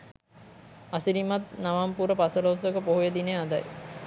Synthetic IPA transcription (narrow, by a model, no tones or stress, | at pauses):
asiɾimat̪̚naʋampuɾəpasəlowsəkəpoɦujəd̪inejad̪a̰j